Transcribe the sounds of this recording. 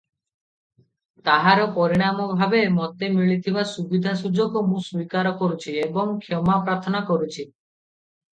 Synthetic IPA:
t̪aɦaɾɔpɔɾiɽ̃amɔbʱabemɔt̪emiɭit̪ʰibasubid̪ʱasud͡ʒɔɡɔmũswikaɾɔkɔɾut͡ʃʰiebɔŋkʰjɔmapɾaɾt̪ʰɔnakɔɾut͡ʃʰi

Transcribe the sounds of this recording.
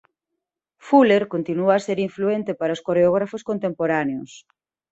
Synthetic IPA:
fuleɾkont̪inuaːseɾiɱfluent̪epaɾaoskoɾeoɣ̞ɾafoskont̪empoɾaneʊs

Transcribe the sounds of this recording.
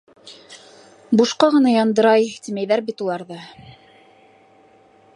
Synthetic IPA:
buʃqɑʁɤ̆nɑjɑnd̪ɤ̆ɾɑjt̪imæjðæɾbit̪ulˠɑɾðɤ

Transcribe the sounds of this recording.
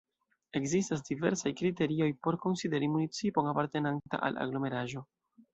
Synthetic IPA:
e̞kzistas̬dive̞̰ɾsajkɾite̞ɾio̞jpo̞ɾko̞nside̞ɾimunit͡sipo̞ŋapaɾte̞nanta̰ʔa̰la̰ɡlo̞me̞ɾaʒo̞

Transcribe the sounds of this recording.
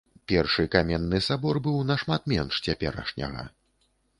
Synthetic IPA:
pʲɛrʂɨkamʲɛnːɨsabɔrbɨwnɐʂmat̪mʲɛnʂt͡sʲɛpʲɛɾɐ̰ʂnʲɐ̰ɣɐ̰

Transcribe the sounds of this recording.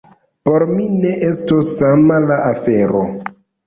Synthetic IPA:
poɾmine̞ʔestosːamalaʔafe̞ɾo

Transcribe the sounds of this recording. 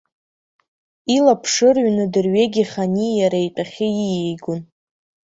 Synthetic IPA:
ilapʰʂɨrɥnɨdɨrɥeɡʲiχanijaɾajtʼaχʲɪjijejɡʊn

